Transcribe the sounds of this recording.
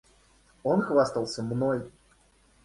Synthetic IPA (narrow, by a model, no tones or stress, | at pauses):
onxvast̪əlˠsʲəmnoj